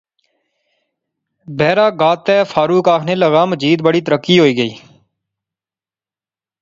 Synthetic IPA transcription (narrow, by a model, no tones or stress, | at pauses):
bɛːɾaːɡaːt̪ɛːfʰaːɾuːkaːkʰneːləɣaːməd͡ʒiːd̪̚bəɽiːt̪əɾəkːiːɦoːiːɡəiː